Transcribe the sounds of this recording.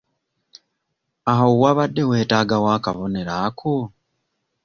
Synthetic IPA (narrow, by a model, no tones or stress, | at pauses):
aɦowaβadːe̞we̞ːtaːɡawaːkaβone̞ɾakʰo